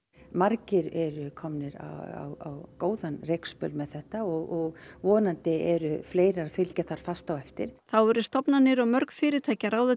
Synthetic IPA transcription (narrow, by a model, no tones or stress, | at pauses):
maɾcɪɾɛɾʏkʰɔmnɪɾa̰a̰wa̰wkoːwðanrejkspœlmɛðθɛht̪aɔɣɔɣvɔːnant̪ɪɛɾʏfleːjɾafɪlcaθaɾ̥fast̪awɛft̪ɪɾ̥θawɛɾʏst̪ɔpnanɪɾɔɣmœɾkfɪːɾɪt̪ʰaːcaɾawð